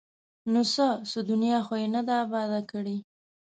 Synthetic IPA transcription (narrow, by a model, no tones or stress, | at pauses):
nosəsʊd̪ʊnjɑxojenad̪aːbɑd̪akəɽi